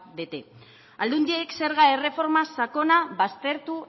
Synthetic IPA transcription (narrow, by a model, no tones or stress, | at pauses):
bet̪e̞ | ald̪und̪iekse̞ɾɣae̞re̞fo̞ɾmasako̞naβast̪e̞ɾt̪u